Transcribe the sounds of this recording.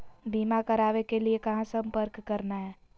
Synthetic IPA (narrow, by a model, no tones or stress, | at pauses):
biːmakəɾaːʋekeliekɐɦãsə̃mpəɾkːəɾnaɦɛː